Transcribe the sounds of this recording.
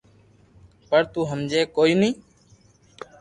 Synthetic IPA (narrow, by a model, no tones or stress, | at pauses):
pəɾt̪uːɦəmd͡ʒeːkoːiːnĩː